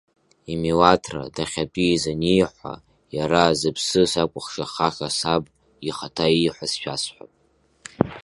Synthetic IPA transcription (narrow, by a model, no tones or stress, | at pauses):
imiwatʰra̰daχʲapʼizanijħʷa̰ | jaɾazɨpʰsɨsakʷʼʊχʂaχaχʲasabʼ | iχatʰaiːħʷasʃᶣasħʷᶣa̰pʼ